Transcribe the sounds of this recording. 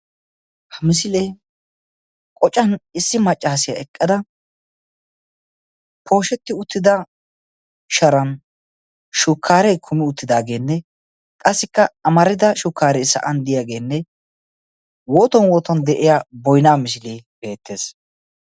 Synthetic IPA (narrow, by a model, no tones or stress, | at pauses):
hɐmɪs̬ɪlej | kʼɔt͡ʃʼːɐnɪsːɪmɐt͡ʃʼːaːsɪjɐ̰ɛkʼːɐd̪ɐ | pʰo̞ːʃɛt̪ːɪʊt̪ːɪd̪ɐ | ʃɐɾɐn | ʃʊkʰːaːɾɛjkʰʊmɪʊt̪ːɪd̪aːɡe̞ːnːɛ | kʼɐsːɪkːɐɐmɐɾɪd̪ɐʃʊkːaːɾɛsɐ̰ʔɐnd̪ɪjaːɡe̞ːnːɛ | woːt̪ɔnwoːt̪ɔnd̪ɛʔɪjabɔjnaːmɪs̬ɪleːbe̞ːt̪ːe̞ːs